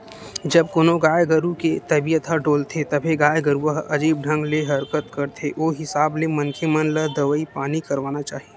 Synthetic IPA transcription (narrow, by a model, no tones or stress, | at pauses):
d͡ʒɐb̚koːnoɡaːjɡɐɾuket̪ɐbijət̪ɦəɖoːlt̪ʰet̪ɐbʱeɡaːjɡɐɾuəɦɐd͡ʒiːb̚ɖʱɐ̃ŋɡleɦɐɾkət̪kɐɾt̪ʰeʔoːɦɪsaːblemɐnkʰemənləd̪ɐʋəipaːnikɐɾʋaːnat͡ʃaːɦe